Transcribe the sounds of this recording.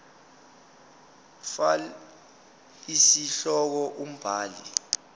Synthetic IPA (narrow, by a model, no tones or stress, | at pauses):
fa | isiɬɔk̬ɔʔum̩b̥ʱaːlḭ